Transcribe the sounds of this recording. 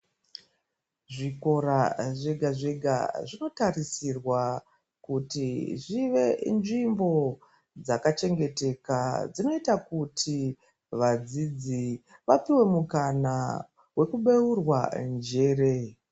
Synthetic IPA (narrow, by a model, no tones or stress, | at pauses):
ʐiko̞raʐeɡʱaʐeɡʱa̰ʐino̞tarisirwa | kutiʐiʋe̞nʐimbo̞ | d͡zakat͡ʃe̞ŋɡe̞te̞kad͡zino̞itakutʰi | ʋad͡zid͡zi | ʋapiwe̞mukana | we̞kuɓe̞urwand͡ʒe̞ːre̞